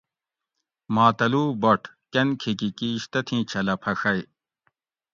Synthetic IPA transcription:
maːt̪ɐluːbɐʈʰ | kɐnkʰikikiɕt̪ɐt̪ʰĩːt͡ɕʰɐlɐpʰɐxɐj

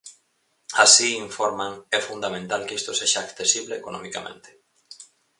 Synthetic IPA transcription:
asiiɱfoɾmãŋɛfund̪amẽnt̪alkist̪oseʃaːkθesiβleekonõ̰mikamʔḛ̃nt̪e̥

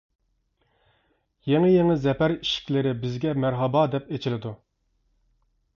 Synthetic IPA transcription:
jeŋɪjeŋɪzɛpæɾiʃi̥kʲlɪɾɪbɪzɡʲɛmæɾɦɑbɑd̪ɛpet͡ʃʰilɪd̪u

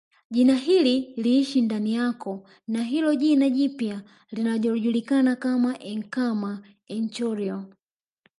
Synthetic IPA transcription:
ʄinaɦililiːʃindanijakɔ | naɦilɔʄinaʄipja | linaʄɔluʄulikanakamaʔɛŋkama | ɛnt͡ʃɔɾiɔ

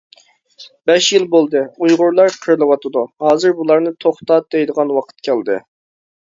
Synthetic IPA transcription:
b̥ɛʃjilˠbolˠd̪ɨujʁʊɾlˠɑɾqʰəɾlˠɨwɑt̪ʰɨd̪uhɑːzɨɾbulˠɑɾnɨt̪ʰoχt̪ɑt̪̚d̪ɛjd̪əʁɑnwɑqʰə̥t̪̚kʲʰɛld̪ɨ̰

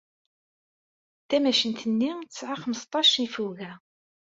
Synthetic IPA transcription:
t̪æmæʃənt̪ənːit̪əsʕaχəməst̪ˤːɑʃifuɣæ

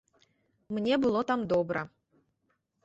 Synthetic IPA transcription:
mnʲebɨlˠot̪ɑmd̪obɾə

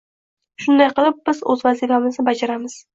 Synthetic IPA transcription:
ʃʊnd̪ajqɨlˠɪp̚bɪzɵ̰zvazifamɪznɪbad͡ʒaɾamɪz̥

